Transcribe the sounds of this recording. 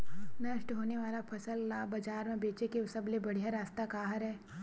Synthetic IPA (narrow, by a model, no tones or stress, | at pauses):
nɐʃʈɦoːneʋaːlapʰɐsəlːaːbɐd͡ʒaːɾmẽbeːt͡ʃekeʊsəblebɐɽ̤ijaɾaːst̪akaːɦəɾɦɛː